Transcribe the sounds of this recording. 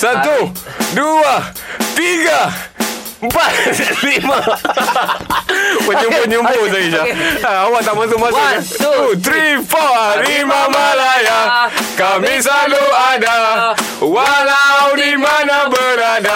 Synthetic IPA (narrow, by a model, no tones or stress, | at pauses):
sat̪udua | t̪iɡa | m̩pat̪lima | məɲimpoɲimpos̬aɡiʃaaawat̪aʔmas̬uʔmasa | ut̪ɾifɔaɾimamalajakamisaluada | walaawnimanabəɾada